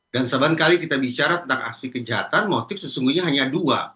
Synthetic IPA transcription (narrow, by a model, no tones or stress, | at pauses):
dansabankalikit̪abit͡ʃaɾat̪ənt̪aŋa̰ksikəd͡ʒaɦat̪anmot̪ɪfsəsuŋɡuɲaɦaɲadua̰